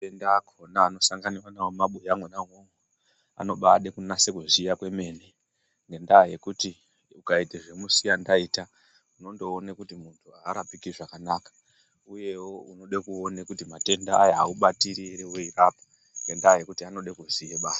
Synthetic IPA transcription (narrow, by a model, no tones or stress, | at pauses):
tendakʰonaːno̞saŋɡaniwanawomaɓojamwenaŋoŋɡo | a̰no̞ɓaɗekunase̞kuzijakwe̞me̞ːne | ŋɡe̞ndaje̞kuti | ukaiteʐe̞musijandaita | uno̞ndo̞ːnekutimuntʰuaːɾapikiʐakanakḁ | uje̞wo̞uno̞ɗekuo̞nekutimate̞ndaːjaauɓatiɾiɾewoiraːpḁ | ŋɡe̞ndaːje̞kutiano̞ɗekuzijeɓaːsḁ